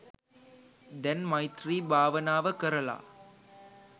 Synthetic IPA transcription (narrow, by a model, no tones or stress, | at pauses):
d̪ɛnmɐjt̪ɾiːbʱaːʋɐnaːʋɐkɐɾɐla̰ː